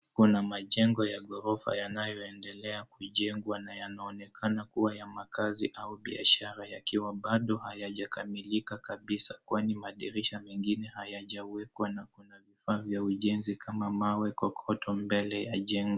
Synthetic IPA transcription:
kunamaʄɛŋɡɔjaɠɔɾɔfa̰janajɔɛndɛlɛakuʄɛŋɡwanajanaɔnɛkʰanakuwajamakaziʔauɓia̰ʃaɾajakiwaɓaɗɔhajaʄakamilikakaɓisakwanimaɗiɾiʃamɛŋɡinɛhajaʄawɛkwanakunavifaːvjauʄɛnzikʰamamawɛkɔkʰɔtʰɔmbɛlɛjaʄɛŋɡɔ

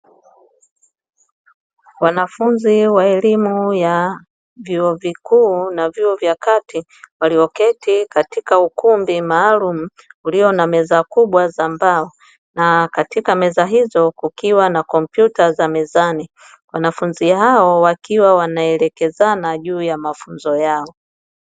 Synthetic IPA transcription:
wanafunziwaɛlimuja | vjuɔvikuːnavjuɔvjakati | waliɔkɛtikatikaukumbimaːlum̩ | uliɔnamɛzakuɓwazambaɔ | nakatikamɛzaɦizɔkukiwanakɔmpjutazamɛzani | wanafunziɦaɔwakiwawanaɛlɛkɛzanaʄuːjamafunzɔjaɔ

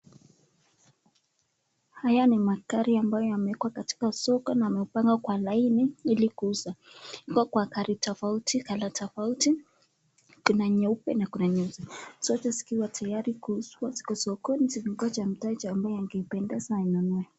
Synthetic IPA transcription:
hajanimakaɾiambajɔjamɛkwakati̥kasɔkɔnaamɛupaŋɡakwalainiilikuuzahikɔkwakaɾitʰɔfautikalatʰɔfauti | kunaɲɛupɛ̰nakunaɲɛuzɛsɔt͡ʃasi̥kiwatʰajaɾikuuswasi̥kɔsɔkɔnisiviŋɡwat͡ʃam̩tait͡ʃaambajɛaŋɡɛipɛndɛzainɔnɔɛ

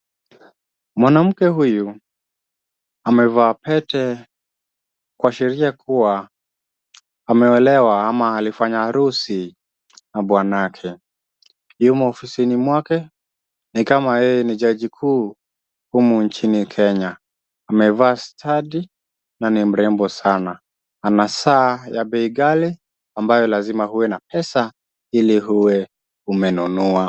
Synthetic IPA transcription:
mwanam̩kɛɦuju | amɛvaːpɛtɛ | kwaʃɛɾiakuwa | mɛɛlɛwaamaːlifaɲaaɾusi | naɓwanakʰɛ | jumuɔfisinimwakɛ | nikamajɛjɛniʄaʄikʰuː | humunt͡ʃinikʰɛɲaː | mɛvaːstʰaɗi | nanim̩ɾɛmbɔsana | anasaːjaɓɛiɡali | ambajɔlazimahuwɛnapɛsa | iliɦuwɛ | umɛnunua

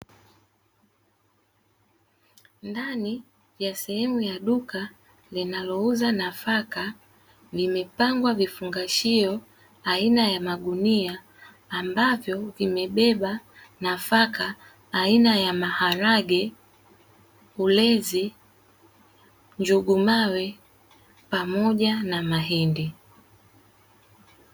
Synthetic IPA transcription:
ndani | vjasɛhɛmujaɗuka | linalɔuzanafaka | vimɛpaŋɡwavifuŋɡaʃiɔ | ainajamaɠuniaː | mbavjɔvimɛɓɛɓa | nafakaː | inajamahaɾaɡɛ | ulɛzi | ɲd͡ʒuɡumawɛ | pamɔʄanamaɦɛndi

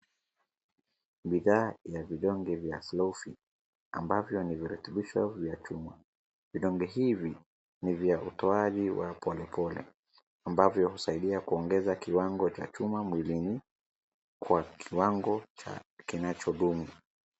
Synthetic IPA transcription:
ɓiðaːjaviɗɔŋɡɛvjaslɔufi | ambavjɔniviɾɛtɛɓiʃɔvjat͡ʃuma | viɗɔŋɡɛɦivi | nivjaʔutɔaʄiwapʰɔlɛpʰɔlɛ̰ | ambavjɔhusaiɗiakuɔŋɡɛzakiwaŋɡɔt͡ʃa̰t͡ʃumamwilini | kwakʰiwaŋɡɔt͡ʃa̰kinat͡ʃɔɗumu

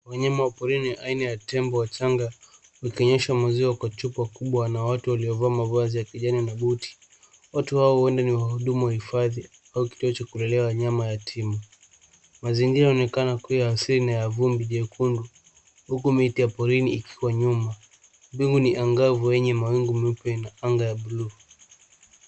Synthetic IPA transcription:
waɲamawapɔɾiniʔainajatɛmbɔwataŋɡa | wikɔɲɛʃamaziwakwat͡ʃupwakuɓwanawatuwaliɔvaːmavazijakiʄaninaɓuti̥ | watuhaɔwɛndaniwahuɗumuwahifaði | auki̥tuɔt͡ʃakulɛlɛwaɲamajatʰimu | maziŋɡiɾajɔnɛkanakujaːsiɾinajavumbiʄɛkʰundu | hukumitijapɔɾiniːkʰiwaɲuma | biŋɡuniʔaŋɡavuwɛɲɛmawiŋɡumɛupɛnaaŋɡajaɓulu

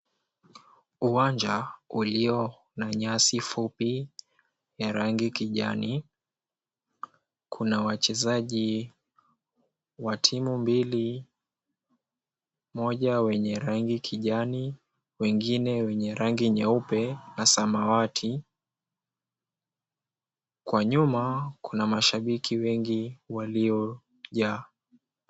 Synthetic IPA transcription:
uwaɲd͡ʒauliɔ | naɲasifupi | jaɾaŋɡikiʄa̰ni | kʰunawat͡ʃɛzaʄi | watʰimumbili | mɔʄawɛɲɛɾaŋɡikʰiʄani | wɛŋɡinɛwɛɲɛɾaŋɡiɲaupɛnasamawatʰi | kwaɲumakunamaʃaɓikʰiwɛŋɡiwaliɔ | ʄaː

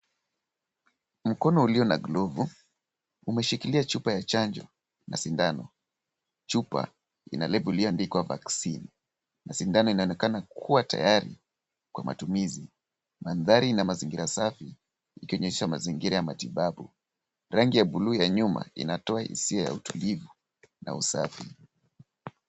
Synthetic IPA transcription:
m̩kɔnɔuliɔnaɡlɔvu | umɛʃikiliat͡ʃupajat͡ʃand͡ʒɔ | na̰sindanɔ | t͡ʃupa̰ | ḭnalɛbuliandikwava̰ksini | nasindanɔinaɔnɛkanakʰuwatʰa̰jaɾḭ | kwamʔa̰tumizi | manðaɾinamaziŋɡiɾasafiː | kiɔɲɛɛʃamaziŋɡiɾajamatiɓaɓu | ɾaŋɡijaɓulujaɲuma̰ḭnatɔahḭsiaja̰utulivu | na̰usafi

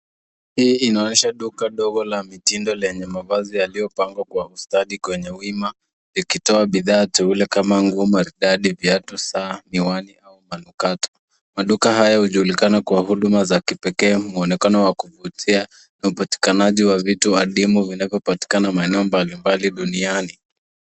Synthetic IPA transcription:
hiːinaɔniʃaɗukaɗɔɡɔlamitindɔlɛɲɛmavazijalijɔpaŋɡwakwahustaɗikwɛɲɛwima | likitɔaɓiðaːtɛulɛkamaŋɡumaɾiɗaɗivjatusaːniwaniaumanukatɔ̥ | maɗukaɦajahuʄuulikanakwaɦuɗumazakipɛkɛːmuɔnɛkanɔwakuvutʰia | naupati̥kanaʄiwavituaɗimuvinavjɔpati̥kanamaɛnɛɔmbalimbaliɗuniani

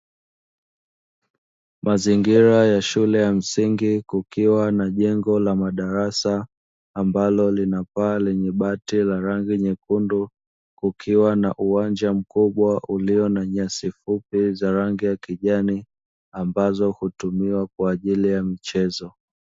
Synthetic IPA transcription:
maziŋɡiɾajaʃulɛjam̩siŋɡikukiwanaʄɛŋɡɔlamaɗaɾasaː | mbalɔlinapaːlɛɲɛɓatilaɾaŋɡiɲɛkundu | kukʰiwanaʔuwand͡ʒam̩kuɓwaʔuliɔnaɲasifupizaɾaŋɡijakiʄani | ambazɔhutumiwakwaːʄilijamit͡ʃɛzɔ

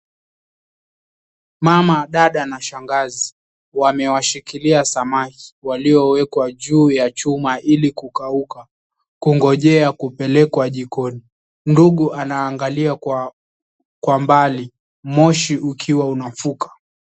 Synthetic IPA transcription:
mamaɗaɗanaʃaŋɡazi | wamɛwaʃikiliasamaki̥waliɔwɛkwaʄuːjat͡ʃumaʔilikukauka | kuŋɡɔʄɛakupɛlɛkwaʄikɔni | m̩duɠuʔanaːŋɡalia | kwambali | mɔʃiʔukʰiwaunafukḁ

